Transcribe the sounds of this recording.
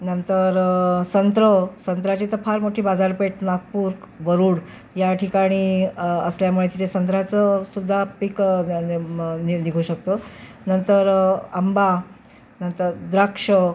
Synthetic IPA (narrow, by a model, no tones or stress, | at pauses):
nənt̪əɾsənt̪ɾəsənt̪ɾat͡ɕiːt̪əpʰaɾmoʈʰiːbad͡zaɾpeʈnak̚puːɾkʋəɾuːɽ | jaʈʰikaɽ̃iːəsljamuɭet̪it̪ʰesənt̪ɾat͡səsud̪ʱːapik | niniɡʱuːɕəkt̪o | nənt̪əɾamba | nənt̪əɾd̪ɾəkʂə